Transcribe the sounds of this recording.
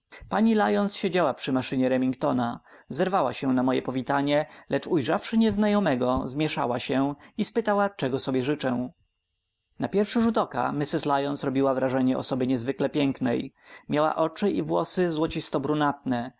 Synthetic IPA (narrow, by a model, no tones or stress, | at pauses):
paɲilajɔnsɕed͡ʑawapʂɘmaʂɘɲɛɾɛmʲiŋkt̪ɔnazɛɾvawa̰ɕɛnamɔjɛ̰pɔvʲit̪aɲɛlɛt͡ʂujʐafʂɘɲɛznajɔmɛɡɔzmʲjɛʂa̰waɕɛispɘt̪awat͡ʂɛɡɔsɔbʲjɛʐɘt͡ʂɛ̃ | napʲjɛɾfʂɘʐut̪ɔka̰mʲisɘslajɔnsɾɔbʲiwavɾaʐɛɲɛɔ̰sɔbɘɲɛzvɘklɛpʲjɛŋknɛjmʲjawa̰ʔɔt͡ʂɘʔḭvwɔsɘzwɔt͡ɕist̪ɔbɾunat̪̚nɛ